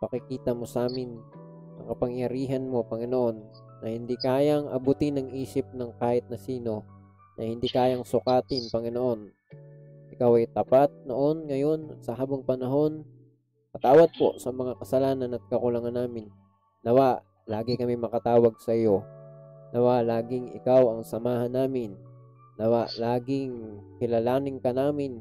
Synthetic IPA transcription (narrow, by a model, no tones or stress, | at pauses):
pɐkɪkiːt̪ɐmo̞sʔaːmɪn | ɐŋkɐpɐŋjɐɾiːɦɐnmo̞pɐŋɪno̞ʔo̞nː | ɐhɪnd̪ikaːjɐŋʔɐ̰but̪ɪnɐŋʔiːsɪp̚nɐŋkaːhɪt̪̚nɐsiːno̞ | nʔɐhɪnd̪ikaːjɐŋsʊkaːt̪ɪnpɐŋɪnoʔo̞n | ʔɪkawɐjt̪ɐpat̪̚noʔo̞nŋɐjo̞nsɐɦaːbɐŋpɐnɐɦo̞n | kɐt̪aːwɐd̪̚po̞̰sɐmɐŋakɐsɐlaːnɐnɐt̪̚kɐkʊlaŋanːaːmɪnː | ɐwaʔ | laːɡɪkɐmɪmɐkɐt̪aːwɐɡ̚sɐjo̞nɐwaʔlaːɡɪŋɪ̰kawɐŋsɐmaːhɐnːaːmɪnː | ɐwaʔlaːɡɪŋkɪlɐlaːŋɪŋkɐnaːmɪn